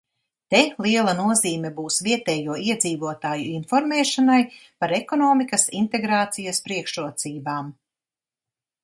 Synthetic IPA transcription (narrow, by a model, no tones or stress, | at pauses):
t̪elˠiɛlˠɐnuɔziːmʲɛbuːsviɛt̪ɛːjuɔiɛd̪ziːvuɔt̪aːjuinfɔɾmɛːʃanajpaɾekɔnɔːmikɐsint̪eɡɾaːt̪sijɐspɾiɛkʃuɔt̪siːbaːm